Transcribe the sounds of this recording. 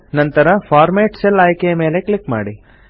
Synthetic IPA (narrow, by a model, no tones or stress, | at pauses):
nɐnt̪ɐɾɐpʰaːɾmeːʈselaːjkejɐme̞ːle̞kɭikma̰ːɽi